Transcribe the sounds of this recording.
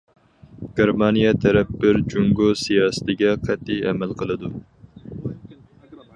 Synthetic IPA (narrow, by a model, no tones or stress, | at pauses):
ɡ̥ʲeɾmɑnijɛt̪ʰɛɾɛp̚bɪɾd͡ʒuŋɡosijɑːsɨ̥t̪ɪɡʲɛqʰɛt̪ʰːijɛmɛlqʰəlˠɨd̪u